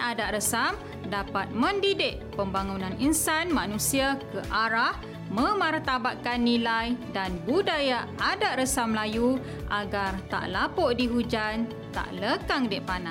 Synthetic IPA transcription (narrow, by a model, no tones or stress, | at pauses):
adaʔrəsam | dapat̪̚mə̃ndidɪʔ̚ | pəmbaŋunãninsanmanũsiakəʔaɾah | mə̃mart̪abaʔ̪̚kanːilajdanbudajaʔadaʔrəsamlaju | ʔaɡart̪a̰ʔlapoʔdiɦud͡ʒan | t̪a̰ʔləkaŋdɪʔpana